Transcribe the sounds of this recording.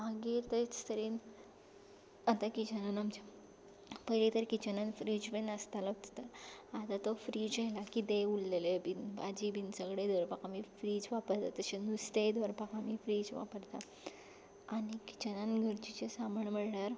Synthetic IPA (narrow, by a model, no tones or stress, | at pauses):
aɡiɾt̪əɾit͡st̪əɾiːn | at̪akid͡ʑənanəmt͡ɕa | pəɾit̪əɾkit͡ɕənãnfɾid͡zbenəst̪alɔt̪ət̪əɾad̪at̪ɔfɾid͡ʑajlakid̪eulːelebinba̰d͡ʑibʱinsəɡɽed̪ʋəɾpakamifɾiːd͡zʋapəɾt̪at̪əɕenust̪ed̪ʋəɾpakamiːfɾiːd͡zʋa̰pəɾt̪aː | ɽiki̥t͡ɕənanɡʱəɾt͡ɕit͡ɕesaməɳməɽɳaɾ